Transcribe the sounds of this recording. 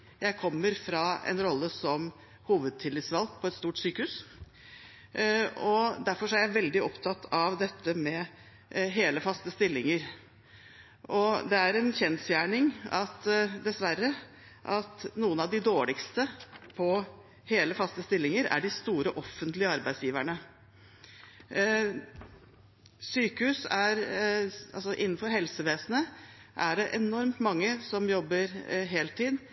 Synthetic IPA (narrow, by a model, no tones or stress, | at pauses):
jæɪkʰɔmːəɾfɾɑɛ̰nɾɔlːəsɔm | huːʋəd̪̚t̪ʰɪlːɪt̪sʋɑlk̚pʰɔɛt̪st̪uːʈsyːkəhʉːs | ɔd̪æɾfɔʂɔæɾjæɪʋɛld̪ɪɔpt̪ʰɑt̪ʰːɑʋd̪ɛt̪ʰːəmɛ | ɦeːləfɑst̪əst̪ɪlːɪŋəɾ | ʔɔd̪ɛæɾɛnçɛnsjæːɳɪŋɑt̪d̪ɛsʋæɾə | ʔɑt̪nuːənɑʋd̪ɪd̪oːɭɪkst̪əpʰɔ | heːləfɑst̪əst̪ɪlːɪŋəɾæ̰ɖɪst̪uːɾəʔɔfːənt̪lɪəɑɾbæɪsjiːʋæɳə | syːkəhʉːsæɾʔɑlsɔʔɪnːn̩fɔɾɦɛlsəʋeːsənəʔæɖɛʔɛnɔɾmt̪mɑŋːəsɔmjɔbːəɾɦeːlt̪ʰiːd̪